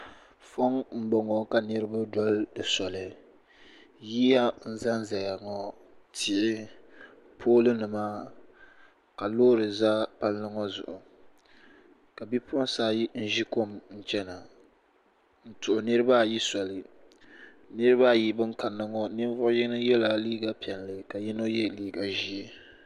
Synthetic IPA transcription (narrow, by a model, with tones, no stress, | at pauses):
fɔ˦ŋm̩˦bɔ˨ŋɔ˨ka˨nɨ˦ɾɨ˦ba˦dɔ˦ldɨ˨sɔ˨lɨ˨ | ji˦ja˦n̩˦za˦nza˨ja˨ŋɔ˨ | tʰɪ˨ʔɪ˦ | pʰoː˦lɨ˦nɨ˨maː˦ | ka˨lo˦ɾɨ˨za˦pa˦lnɨ˦ŋɔ˦zʊ̰˨ʔʊ˨ | ka˨bi˦pʰsaː˦ji˦n̩˦ʒi˦ko˦mn̩˦t͡ʃɛ˦na˨ | n̩˦tʊ˨ʔʊ˨nɨ˦ɾɨ˦ba˦˨ji˦sa˨lɨ˨ | nɨ˦ɾɨ˦βa˦˨ji˦bɨ˦ŋka˨nːɨ˦ŋɔ˦nɨ˦n˦vʊ˦ʔʊ˦ji˦nɨ˦jɛ˦la˨liː˦ɡa˦pɛ˨nlɨ˨ka˨ji˦no˦jɛ˦liː˦ɡa˨ʒi˦e˦